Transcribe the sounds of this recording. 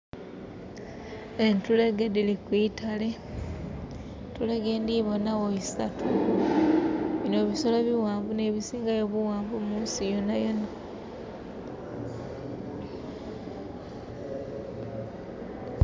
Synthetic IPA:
entuleɡedilikwiːtale | tuleɡe̞ːndiβonawoisatʰu | βino̞βisolaβiwaːmvuneβisiːŋɡajoβuwaːmbumuːnsijonajona

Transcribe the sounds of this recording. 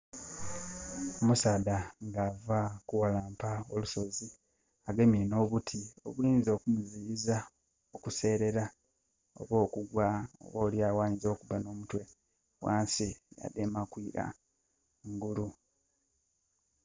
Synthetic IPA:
omusaːdaŋɡavakuwalaːmpaoluso̞zi | aɡe̞mino̞βutʰio̞̰βwiːnzo̞kumuziiza | okuse̞ːɾe̞ɾa | o̞̰βo̞ːkuɡwao̰βo̞ːljaːwaːɲizo̞ːkuβano̞ːmutwe̞ | wa̰ːnsija̰demakwiɾa̰ | ŋɡulu

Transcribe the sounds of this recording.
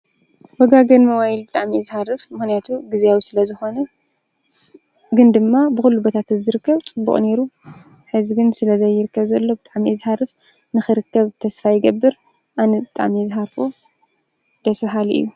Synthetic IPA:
wɐɡaɡɐnmɐwajilbɨt̪ʼaʕmizɨħarɨfmɨxnijat̪ʰuɡizijawisɨlɐzɨxo̞nɐ | ɡɨnd̪ɨmːabɨxulːubot̪ʰat̪zɨɾɨkːɐβt͡sʼɨbːṵχʼne̞ɾu | ħɨzɡɨnsɨlɐzɐjːɪɾɨkːɐβzɐlːo̞bɨt̪ʼaʕmizɨharɨf | nɨxɨɾɨkːɐβt̪ʰɐsfajːɪɡɐbːɨɾ | ʔanɐbɨt̪ʼa̰ʕmizɨɦaɾfo̞ | d̪̥ɐsbɦalʔɨ̰jːu

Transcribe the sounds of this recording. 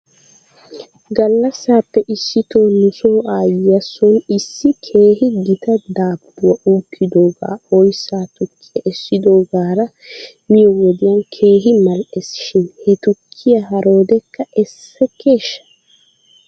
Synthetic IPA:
ɡɐlːɐsːaːpːɛʔɪsːɪt̪o̞ːnʊsoːʔaːjɐsɔnɪsːɪkʰe̞ːɦɪɡɪt̪ɐd̪aːbːʊwɐʔuːkʰːɪd̪o̞ːɡa̰ːɔjsaːt̪ʊkʰːɪjɐʔɛsːɪd̪o̞ːɡaːɾɐ | mɪjɔwɔd̪ɪjɐnkʰe̞ːɦɪmɐlɛsɪ̥ʃɪnhɛt̪ʊkʰːɪjɐɦɐɾo̞ːd̪ɛkːɐʔɛsɛkeːʃːɐ̥

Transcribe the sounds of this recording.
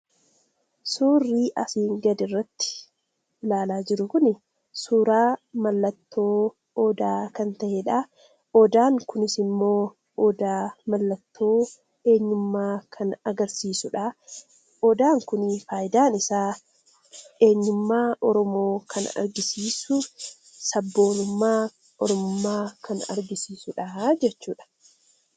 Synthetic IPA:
suːrːiːʔɐfiːŋɡɐd̪ɪrːɐt̪ːɪ̥ | ɪlaːlaːd͡ʒɪɾʊkʊnɪ | suːɾaːmɐlːɐt̪ːo̞ː | ɔːd̪aːkɐnt̪ɐʔeᶑa | ɔd̪aːŋkʊnɪsɪmːoː | ʔɔd̪aːmɐlːɐt̪ːoː | e̞ːɲːʊmːaːkʰɐnɐɡɐɾsiːsʊᶑaː | ʔɔd̪aːŋkʊnifaːjɪd̪aːnɪsaː | e̞ːɲːʊmːaːʔɔɾɔmoːkʰɐnɐ̰ɾɡɪsiːsʊ | sɐbːo̞ːnʊmːaː | ʔɔɾɔmʊmːaːkʰɐnɐ̰ɾɡɪsiːsʊᶑad͡ʒɛt͡ʃːuːᶑɐ̥

